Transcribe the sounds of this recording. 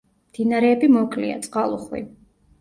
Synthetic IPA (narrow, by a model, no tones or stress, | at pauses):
md̪̥inaɾɛːbimɔkʼlḭa̰t̪sʼqʼalˠṵχwḭ